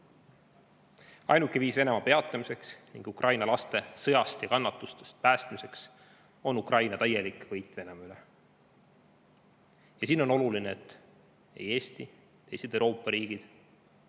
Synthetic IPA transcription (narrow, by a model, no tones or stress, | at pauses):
ɑ̰jnukːˑeviːsve̞ne̞mɑpe̞ɑt̪ːˑɑmise̞ksniŋɡ̥ukrʔɑjnɑlɑst̪e̞sɤ̞jɑst̪jɑkɑnːɑt̪ːˑust̪est̪̚pæːst̪mise̞ks | o̞nukrʔɑjnɑt̪æjːe̞likˑvɤjt̪ːˑve̞nemɑyle | jɑsiːno̞no̞lulineet̪ːˑ | e̞̰je̞ːst̪i | t̪ejsed̪̥ewɾo̞ːpːˑɑɾiːɡ̥id̪̥